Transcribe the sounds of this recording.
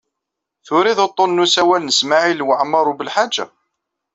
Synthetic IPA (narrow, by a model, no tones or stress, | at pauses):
θʊɾiðot̪ˤːonːusæwælnəsmaʕilwəʕmːɑɾˤubəlħad͡ʒːa̰